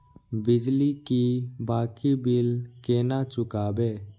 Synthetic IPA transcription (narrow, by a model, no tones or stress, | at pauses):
bɪd͡ʒlikibaːkiːbɪlkeːnat͡ʃʊkaːbeː